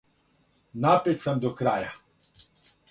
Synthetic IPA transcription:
naːpɛt̪samd̪ɔkɾaːja

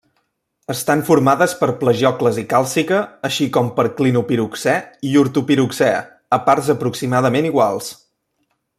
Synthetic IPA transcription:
əst̪aɱfuɾmaðəspəɾpləʒɔkləzikalˠsikəːʃikɔmpəɾklinupiɾuksɛiuɾt̪upiɾuksɛə̰ | əparzəpɾuksimaðəmeniɣ̞walˠs

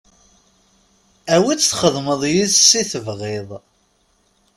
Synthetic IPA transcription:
æwit͡sːθχəðˤməðˤjiðsiθəvʁɪðˤ

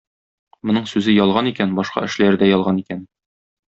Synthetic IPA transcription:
mŏnɤɴsʉzɘjɒlˠʁɑnikænbɒʃqɑ̰ʔɘ̆ʃlæɾd̪æjɒlˠʁɑnikæn

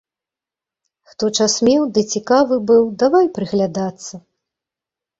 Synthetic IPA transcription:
xt̪ɔt͡ʂasmʲɛwd̪ɨt͡sʲikavɨbɨwd̪avajpɾɨɣlʲad̪at̪sːɐ

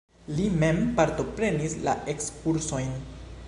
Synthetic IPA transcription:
lime̞mpaɾto̞pɾe̞nisla̰ʔe̞kskuɾso̞jn

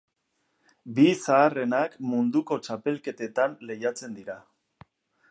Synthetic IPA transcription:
bisaːre̞nakmund̪uko̞t͡ʃape̞lke̞t̪e̞t̪anle̞jat͡se̞nd̪iɾa

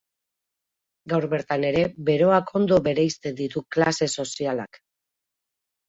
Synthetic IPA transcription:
ɡawɾβe̞ɾt̪ane̞ɾe̞be̞ɾo̞akʰo̞nd̪o̞βe̞ɾejst̪e̞nd̪it̪uklase̞so̞siala̰k

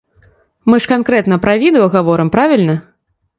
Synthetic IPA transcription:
mɨʂkankɾɛt̪nɐpɾɐvʲid̪ɨɔɣavɔɾɨmpɾavʲilʲnɐ

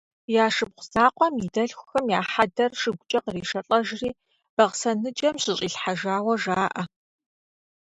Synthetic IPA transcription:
jaːʂɨbqʷʊzaːqʷʼɔmidɐɬxʷʊxɐmjaːħadɐrʂɨɡʷʊt͡ʃʼɐqəriːʃɐɬʼɐʒriː | b̥ɐʁsɐnɨd͡ʒʼɐmɕɪɕʼiːɬħaʒaːwɐʒaːʔɐ

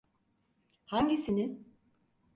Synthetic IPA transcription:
haɲɟisinin

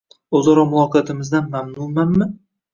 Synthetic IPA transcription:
ozɒɾɒmʊɒqʰejat̪ʰɪmɪzd̪anmamnumanmɪ

